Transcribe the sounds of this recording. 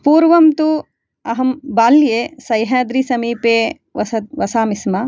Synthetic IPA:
puːɾʋɐmt̪u | ɐɦɐmbaːljeːsɐjɦaːd̪ɾiːsɐmiːpeː | ʋɐsɐt̪ʋɐsaːmisma

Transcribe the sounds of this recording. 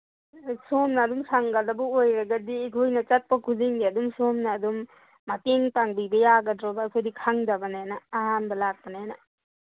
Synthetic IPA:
somnaːdumsaŋɡaldɐbuojɾɐɡɐdiɡʱojnɐt͡ʃat̚pɐkʰuziŋdiɐdumsomnaːdumː | ateŋtaŋbibɐjaɡɐdɾɔbakʰojdikʰaŋdabɐnajnaːɦanbɐlak̚pɐnajana

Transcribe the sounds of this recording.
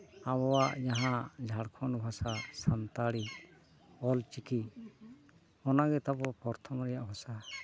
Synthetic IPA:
aβɔwaʔd͡ʒaɦãd͡ʒʱaɽkʰɔnbʱasasant̪aɽi | ɔlt͡ʃikʰi | ɔnaɡɛt̪abɔpɔɾt̪ʰɔmɾɛjaʔbʱasa

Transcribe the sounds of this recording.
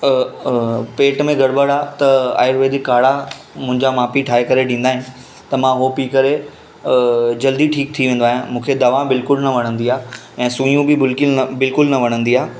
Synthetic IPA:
peːʈmẽɡɐɽbəɽaːt̪ɐa̰ːɪəɾʋeːd̪ɪkːaːɽa | mʊ̃ɦɪ̃ɲd͡ʑamaːpiʈʰaːekɐɾeɖĩːnd̪aːɦɪnɪ̆ | t̪ɐmãɦopiːkɐɾe | d͡ʑɐld̪iʈʰiːk̚t̪ʰiʋẽːn̆d̪oaːɦjãmũːkʰed̪ɐʋabɪlkʊlnɐʋɐɽ̃ə̃nd̪iaː | ɛ̃ːsũːijũbɪbɪlkɪlbɪlkʊlnɐʋɐɽ̃ə̃nd̪iaː

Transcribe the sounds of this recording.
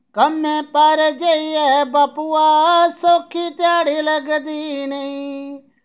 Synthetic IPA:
kɐmẽpaːɾed͡ʒeiɛbaːpuasoːkʰit̪ɪjaːɽilɐɡd̪inɐĩ

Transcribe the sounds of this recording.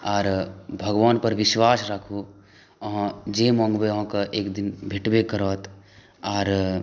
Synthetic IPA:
aːɾbʱɐɡʋaːnpɐɾʋɪʃʋaːsɾakʰu | ɦãd͡ʒeːmɔ̃ːŋɡbeɦãkaʔeːkd̪ɪnbʱɪʈbekəɾɔːt̪ | aːɾ

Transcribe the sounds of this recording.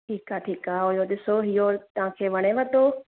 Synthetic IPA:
ʈʰiːkaʈʰiːkaɦojod̪ɪsoɦijoːɾt̪ɐʋ̤ãkʰeːʋɐɽ̃eʋət̪o

